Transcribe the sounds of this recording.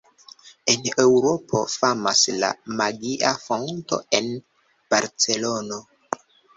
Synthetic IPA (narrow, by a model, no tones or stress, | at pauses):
e̞newɾo̞pʰo̞̰famasla̰maɡiʔafonto̞̰en | b̥aɾt͡se̞lo̞no